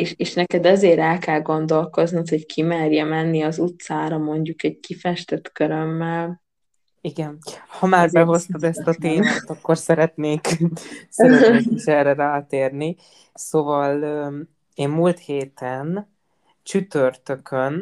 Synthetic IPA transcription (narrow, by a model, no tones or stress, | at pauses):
eːʃeːʃnɛkɛd̪ɛzeːɾɛlkɛlɡo̞nd̪o̞lko̞zniut̪hockʰimɛrjɛmɛnːiɒzut̪saːɾɒmo̞ɲɟukɛɟ̚kifɛʃt̪ɛt̪køɾømːɛl | iɡɛnhɒmaːrbɛɦo̞st̪od̪ɛst̪ɒt̪eːnaːt̪ɒkːo̞rsɛɾɛt̪neːksɛiʃɛrɛraːt̪eːrni | soːvɒlː | eːmmuːlt̪heːt̪ɛn | t͡ʃyt̪ørt̪økʰøn